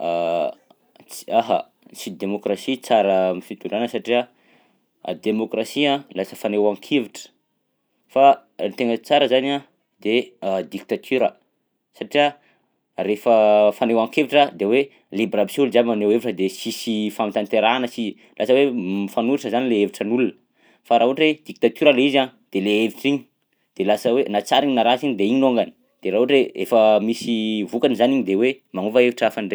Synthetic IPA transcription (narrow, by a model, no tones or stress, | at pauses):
t͡si̥aɦa̰ | t͡sid̪emokrasit͡saɾəmifit̪uɳɖ͡ʐanəsaʈ͡ʂiə̰ | d̪emokrasiãlasəfanewaŋkʰeviʈ͡ʂə̥ | fant̪eŋət͡saɾəzana | d̪ed̪ik̚t̪at̪ʰyɾə | saʈ͡ʂiə | refəfanewaŋkeviʈ͡ʂəd̪ewe | librabisulzamaneweviʈ͡ʂəd̪esisifamit̪ant̪eɾanəsi | lʔasəwemfanuɾiʈ͡ʂəzanileeviʈ͡ʂənulunə | faɾaɦuoʈ͡ʂwed̪ik̚t̪at̪uɾəleizaɲd̪̥eleeviʈ͡ʂiɲi̥ | d̪̥elasəwenat͡saɾiɲinaɾasiɲid̪eiɲinoŋɡani̥ | d̪̥eɾaɦʈ͡ʂeḛfəmisivukanizaniɲid̪ewe | maŋuvaeviʈ͡ʂafanɖ͡ʐe